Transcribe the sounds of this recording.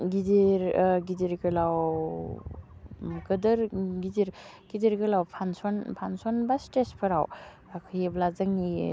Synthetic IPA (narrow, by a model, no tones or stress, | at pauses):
ɡidiɾɡidiɾɡɯlaw | ɡɯdɯɾɡidiɾɡ̥idiɾɡɯlawpʰansɔnpʰansɔnbastespʰɯɾa̰w | akʰajblazɯŋni